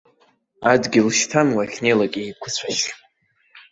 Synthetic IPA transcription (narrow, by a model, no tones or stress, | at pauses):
adɡʲɪlʃtʰanwaχʲnejlaɡʲʼiikʷʰʊt͡sʷʰaʃ